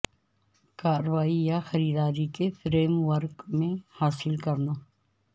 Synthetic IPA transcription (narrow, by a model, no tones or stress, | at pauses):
kaːɾəʋaːijaxɐɾiːd̪aːɾikefʰɾeːmʋəɾɡmẽhaːsɪlkɐɾnaː